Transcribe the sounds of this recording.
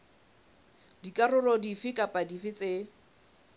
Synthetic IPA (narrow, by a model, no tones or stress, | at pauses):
dikʼarʊlɔdifɪkʼapʼadifɪt͡se